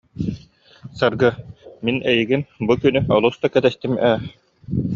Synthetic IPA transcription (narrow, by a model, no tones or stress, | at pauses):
saɾɡɯminɛjiɡinbukynyɔlˠust̪akɛt̪ɛst̪imæː